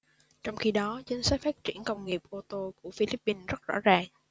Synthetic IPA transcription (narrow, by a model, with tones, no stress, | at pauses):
t͡ɕɔ˧wŋ͡mxi˧ɗɔ˨˦zə˨˦ŋ̟sa˦˥j̚faː˦˥t̚t͡ɕi˧˩ənkə˧wŋ͡mŋi˨˩əp̚ʔo˧t̪o˧ku˧˩əfi˧li˦˥p̚ːi˧nzə˦˥t̚zɔ̰˧˥zaː˨˩ŋ